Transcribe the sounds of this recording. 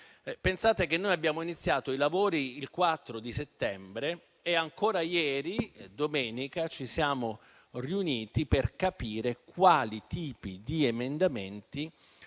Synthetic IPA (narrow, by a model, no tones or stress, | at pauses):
pensaːt̪ek̟enːojabjaːmoinit̪sːjaːt̪oilavoːɾiilkwat̪ːɾod̪iset̪ːɛmbɾeː | aŋkoːɾajɛːɾid̪omɛːnikat͡ʃisjaːmo | riuniːt̪iperkapiːɾekwaːlit̪iːpid̪iemend̪ament̪i